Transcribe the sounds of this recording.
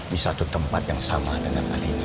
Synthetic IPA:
disat̪ut̪əmpat̪̚jaŋsamadəŋana̰lini

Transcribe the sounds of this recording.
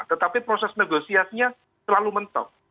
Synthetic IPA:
t̪ət̪apipɾosɛsnəɡosiasiɲa | səlalumənt̪ɔ̰

